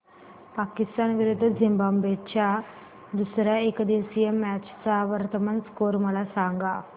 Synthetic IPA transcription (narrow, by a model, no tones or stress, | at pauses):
pakist̪anʋiɾud̪ʱːd͡zʱimbambet͡ɕja | d̪usɾjaekəd̪isijəmæt͡ɕt͡saʋəɾt̪əmənskoɾməlasaŋɡa